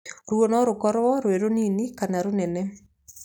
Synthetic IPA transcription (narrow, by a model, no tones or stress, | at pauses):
ɾwonɔɾokɔɾwɔɾweɾoninikanaɾonɛnɛ